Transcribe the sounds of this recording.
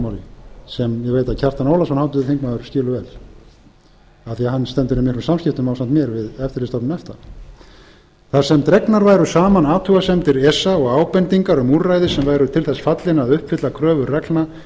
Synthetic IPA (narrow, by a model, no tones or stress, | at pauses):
mawɾɪsɛmjɛɣveːjt̪aðcʰḁt̪anoːwlasɔnhawt̪ʏðɪθiŋkmaʏɾ̥scɪːlʏvɛːl | aθiahanːst̪ɛmt̪ʏɾʏmɪhk̪ɾʏsamscɪft̪ʏmawsant̪mjɛɾvɪðɛft̪ɪɾlɪsɔpnʏnɛft̪a | θasɛmt̪ɾɛknaɾvaːjɾʏsaːmanaːt̪ʰuɣasɛmt̪ɪɾɛsːaɔɣaːwpɛnt̪iŋkaɾʏmuːɾrajðɪsɛmvaːjɾʏt̪ʰɪlθɛsːfat̪lɪnaðʏhpfɪt̪lakʰɾœːvʏrrɛklna